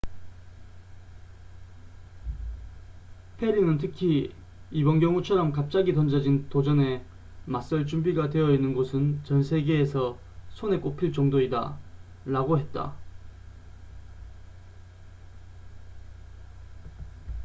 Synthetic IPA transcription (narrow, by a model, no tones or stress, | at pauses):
pʰe̞ɾinɯntʰɯkʰi | ibʌnɡjʌŋut͡ɕʰʌɾʌmkap̚t͡ɕ͈aɡitʌnd͡ʑʌd͡ʑintod͡ʑʌne̞ | mas͈ʌɭt͡ɕumbiɡadwe̞ʌinːɯnɡosʰɯnt͡ɕʌnsʰe̞ɡe̞ːsʰʌ | sʰone̞k͈opʰiɭt͡ɕʌŋdoida̰ | ɾaɡoɦe̞t̚t͈a̰